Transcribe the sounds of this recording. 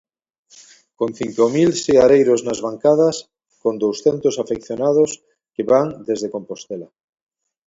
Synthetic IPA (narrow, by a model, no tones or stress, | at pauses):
kõnθiŋkomilseaɾejɾoznazβaŋkaðas | kond̪owsθent̪osafekθjonað̞os | keβaŋd̪ezðekompost̪ela